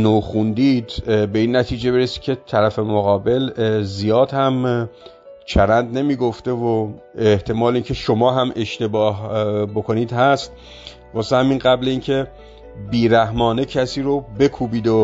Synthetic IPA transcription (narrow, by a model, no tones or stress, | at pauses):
noːxund̪iːd̪be̞iːnːæt̪ʰiːd͡ʒe̞beɾesiːd̪̚cʰʲe̞t̪ʰæɾæfe̞moɣɒːbe̞lzijɒːd̪hæm | t͡ʃʰæɾænd̪ne̞miːɡoft̪e̞vo | eht̪ʰe̞mɒːliːncʰe̞ʃomɒːɦæmʔe̞ʃt̪e̞bɒːhbokʰo̞niːd̪hæst̪̚ | vɒːsehæminɢæbleiːncʰe̞ | biːɾæhmɒːnecʰæsiːɾobe̞kʰuːbiːd̪o